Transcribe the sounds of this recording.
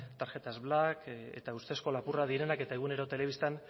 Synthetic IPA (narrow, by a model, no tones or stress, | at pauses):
t̪aɾʝe̞t̪azβlakḛt̪aust̪esko̞lapurað̞iɾe̞nake̞t̪aeɣ̞une̞ɾo̞t̪e̞le̞βist̪an